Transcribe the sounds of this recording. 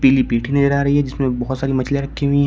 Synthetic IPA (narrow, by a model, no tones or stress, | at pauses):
piːlipiːʈʰinɐzəɾaːɾɐɦiɦɛd͡ʒɪsmẽbɐɦʊt̪saːɾimɐt͡ʃʰlẽɾɐkʰːeɦuĩɦɛ̃